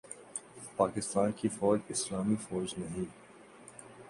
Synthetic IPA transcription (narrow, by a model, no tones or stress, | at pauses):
paːkɪst̪aːnkifɔːd͡ʒɪslaːmifɔːd͡ʒnɐɦĩː